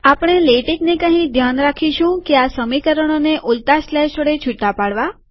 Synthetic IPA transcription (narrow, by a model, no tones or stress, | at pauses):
apɳ̃eleʈiknekə̃ɦĩd̪ʱjanɾakʰiʃũkeasəmikəɾəɽ̃oneʔult̪aslɛʃəɽet͡ʃʰuʈːapaɽʋa